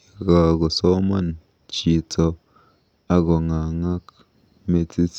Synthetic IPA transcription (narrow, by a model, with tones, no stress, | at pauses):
ɡa˨ɡo˨so˦ma˦˨n | t͡ʃi˨t͡sɔ˧ | a˦ɡo˨ŋa˨ŋa˦k | me˧t͡si˦t͡s